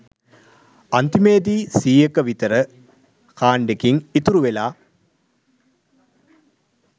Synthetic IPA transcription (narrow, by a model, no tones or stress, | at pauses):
ɐnt̪imeːd̪iːsiːjekəʋit̪ɐɾə | kʰaːɳɖekiŋit̪uɾuʋelaː